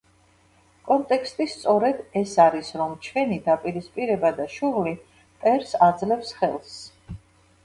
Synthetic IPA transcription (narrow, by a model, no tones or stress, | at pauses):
kʼɔnt̪ʼɛkʰst̪ʼist̪sʼɔɾɛd̪ɛsaɾisɾɔmt͡ʃʰwɛnid̪apʼiɾispʼiɾɛbad̪aʃuʁli | pʼɛɾsad̪zlɛfsχɛlˠs